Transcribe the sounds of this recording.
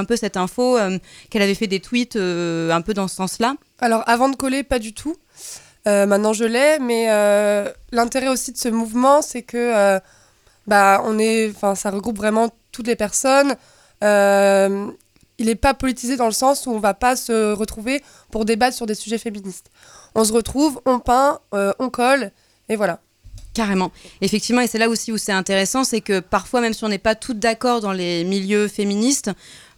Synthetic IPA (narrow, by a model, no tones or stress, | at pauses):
ɛ̃pøsɛt̪ɛ̃foøkɛlavɛfɛd̪et̪wit̪øɛ̃pød̪ɑ̃sə̥sɑ̃sla | alɔʁavɑ̃d̪əkɔlepad̪yt̪ʰu | ømɛ̃t̪nɑ̃ʒəlɛmɛø | lɛ̃t̪eʁɛosid̪əsəmuvmɑ̃sɛkəø | baɔ̃nɛɑ̃fɛ̃saʁəɡʁupvʁɛmɑ̃t̪ut̪lepɛʁsɔn | øm | ilɛpapɔlit̪ized̪ɑ̃ləsɑ̃suɔ̃vapasəʁət̪χuve | puʁd̪ebat̪χəsyʁd̪esyʒɛfeminist̪ | ɔ̃s̬əʁət̪χuvɔ̃pɛ̃øɔ̃kɔl | evwala | kaʁemɑ̃efɛkt̪ivmɑ̃esɛlaosiusɛɛ̃t̪eʁesɑ̃sɛkəpaʁfwamɛmsiɔ̃nɛpat̪ʰut̚d̪akɔʁd̪ɑ̃lemiljøfeminist̪